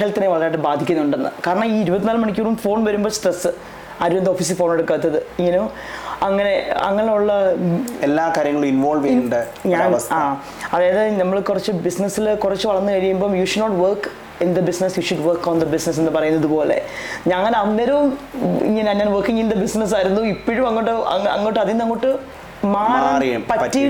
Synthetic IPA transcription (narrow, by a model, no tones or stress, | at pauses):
ɦelt̪ːɐneʋɐɭɐɾaːjʈːɨbaːd̪ʱikʲːunːuɳɖenːɨ̰kaːɾɐɳɐmiːiɾubɐt̪ːinaːlɨmɐɳikʲːuːrumfo̞ːɳʋɐɾumboːsʈresːɨ | ɐɾuʋend̪oːfiːs̬ɨfo̞ːne̞ɽukːaːt̪ːɐðɨiŋːɐnu | ɐŋːɐne̞ɐ̰ŋːɐɭuɭːɐelːaːkaːɾjɐŋːɐɭuminʋoːlʋeuɳɖɨ | ɲaːɐaː | ɐðaːjɐðɨnɐmːɐɭkurɐt͡ɕːɨbisnɐsilkurɐt͡ɕːɨʋɐɭɐnːɨkɐɻijumbo̞ːjuɕuɖnoːʈʋɐrk | ind̪ɐbisnɐsjuɕuɖʋɐrkːoːnd̪ɐbisnɐs̬enːɨpɐrɐjunːɐðupo̞ːle̞̰ɲɐŋːɐlɐnːɐɾɐʋumḭŋːɐnaːnɲaːnʋɐrkiŋːind̪ɐbisnɐs̬aːjiɾunːuipːoɻumɐŋːoʈːɨɐ̰ɐ̰ŋːoʈːɨɐðinːɐŋːoːʈːɨ | maːrɐpɐtːi